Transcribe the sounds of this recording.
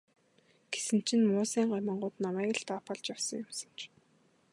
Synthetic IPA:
ɡ̥e̥sɘ̆n̥t͡ɕʰɪ̆nmʊːsæːɴɢɔjmə̆ɴɢʊːt̪namæːkə̆ɬt̪apăɮt͡ɕjawsə̆ŋjʊmsə̥̆n̥t͡ɕʰ

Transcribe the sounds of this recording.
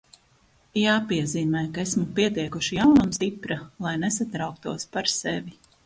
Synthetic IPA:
jaːpiɛziːmɛjkaesmupiɛt̪iɛkuʃijawnamst̪ipɾalˠajnesat̪ɾawk̚t̪uɔspaɾsevi

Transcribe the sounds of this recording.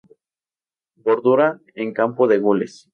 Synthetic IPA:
ɡoɾðuɾa | eŋkampoðe̞ɣoles

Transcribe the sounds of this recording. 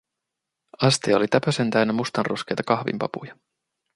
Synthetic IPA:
ɑst̪iolit̪æpøse̞nt̪æɥnːæmust̪ɑnro̞ske̞jt̪ɑkɑhʋḭmpɑ̰pṵjɑ

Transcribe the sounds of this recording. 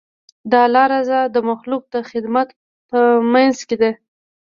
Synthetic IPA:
d̪ɑlɑɾazad̪əmaxluk̚d̪əxɪd̪mat̪ | pəmanzked̪e

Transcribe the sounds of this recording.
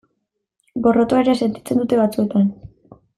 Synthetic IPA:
ɡo̞rot̪oeɾiase̞nt̪i̥t͡se̞nd̪ut̪e̞βat͡sue̞t̪an

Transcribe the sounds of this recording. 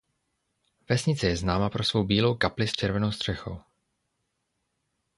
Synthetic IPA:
vɛsɲɪt͡sɛjɛznaːmapɾo̞svo̞wbiːlo̞wkaplɪst͡ʃɛɾvɛno̞wst̪r̝̥ɛxo̞̰w

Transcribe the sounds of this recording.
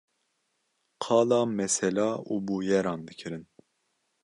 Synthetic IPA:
qʰɑːlɑːmɛsɛlɑːubuːjɛɾɑːnd̪ɨkʰɨɾɨn

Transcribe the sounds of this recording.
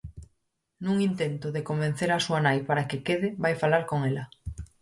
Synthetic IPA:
nũŋint̪ent̪oðekomben̟θeɾasuanajpaɾakekeð̞ɪβajfalaɾkoŋela

